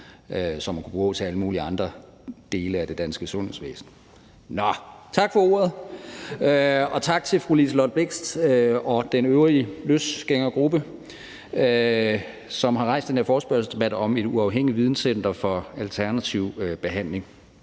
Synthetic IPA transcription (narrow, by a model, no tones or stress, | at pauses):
øsɒmːænkʰub̥ʁṵɔʊt͡sʰe̝æləmuːliɑ̈nd̥ʁɐ | d̥e̝ːləæd̥e̝d̥ænsɡ̥əsɔ̽nhḛsʋḛːsn̩ | nɒt͡sʰɑ̈ɡ̥fɒ̽o̝ːɐð̞ˠ | ɒ̽t͡sʰɑ̈ɡ̥̚t͡sʰe̝lfʁulislɒd̥̚b̥le̝ɡ̥sd̥ɒ̽d̥enøʊʁiløsɡ̥eŋ̰ɐɡ̥ʁub̥ə | ø | sɒ̽mɦɑ̈ʁɑ̈ɪ̰sd̥enheɐfɒːsb̥ɶɐsəsd̥e̝b̥æd̥ɒ̽me̝d̥uɑ̈ʊɦeŋ̰iʋið̞ˠn̩sen̰d̥ɐfɒ̽ælt͡sʰæɐnæt͡sʰiʊb̥e̝ɦæn̰le̝ŋ